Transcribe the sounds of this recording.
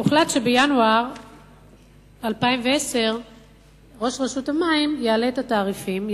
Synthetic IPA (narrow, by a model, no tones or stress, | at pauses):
uχlatʃe̞bejanuaʁ | alpaimveese̞ʁ | ʁo̞ʃʁeʃuthamaimjeale̞tataːʁifim